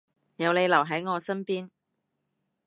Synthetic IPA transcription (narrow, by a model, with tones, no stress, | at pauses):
jɐ˨˧wle˨˧jlɐ˨˩wɦɐ˨˥jŋɔː˨˧sɐ˥npiː˥n